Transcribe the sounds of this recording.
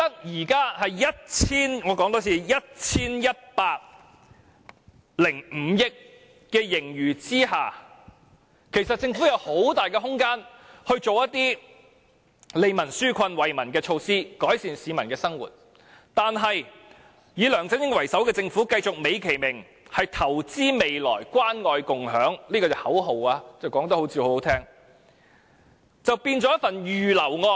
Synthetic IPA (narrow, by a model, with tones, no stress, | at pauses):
t̪ɐ˥k̚jiː˨˩kaː˥hɐ˨jːjɐ˥t̚t͡sʰiː˥nŋɔː˨˧kɔ˨˥ŋt̪oː˨˥sʰiː˨˧jɐ˥t̚t͡sʰiː˥njɐ˥t̚paː˧k̚ | lɪ˨˩ŋm̩˨˧jɪ˥k̚ː | ɛː˧jɪ˨˩ŋjyː˨˩t͡siː˥ɦaː˨ | kʰe˨˩jsɐ˨t̚t͡sɪ˧ŋfuː˨˥jɐ˨˧who˨˥wt̪aː˨˩jkɛː˧ɦʊ˥ŋkaː˥nhɵ˧ɥt͡so˨wjɐ˥t̪iː˥ | le˨˧jmɐ˨˩nsyː˥kʷʰɐ˧nwɐ˨jmɐ˨˩nkɛː˧t͡ʃʰo˧wsiː˥kɔː˨˥jsiː˨nsiː˨˧mɐ˨˩nkɛː˧sɐ˥ŋwṵː˨˩t̚ | t̪aː˨nɦɐ˨j | jiː˨˧lœː˨˩ŋt͡sɐ˥njɪ˥ŋwɐ˨˩jsɐ˨˥wkɛː˧t͡sɪ˧ŋfuː˨˥kɐ˧jt͡sʊ˨k̚me˨˧jkʰe˨˩jmɪ˨˩ŋ | hɐ˨jt̪ʰɐ˨˩wt͡siː˥me˨jlɔ̰ː˨˩jkʷwaː˥nŋɔː˧jkʊ˨ŋɦœː˨˥ŋliː˥kɔː˧t͡sɐ˨˩hɐ˨˥wɦo˨˩waː˧t͡sɐ˨wkɔː˨˥ŋt̪ɐ˥ho˨˥wt͡si˧ho˨˥o˨˥t̪ʰɛː˥ŋ | t͡sɐ˨wpiː˧nt͡sɔː˨˧˥jɐ˥t̚fɐ˨njyː˨lɐ˨˩wŋɔː˧